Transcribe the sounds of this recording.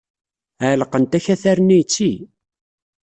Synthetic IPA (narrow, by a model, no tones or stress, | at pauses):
aʕləqənt̪æçæθæɾnijt͡sːi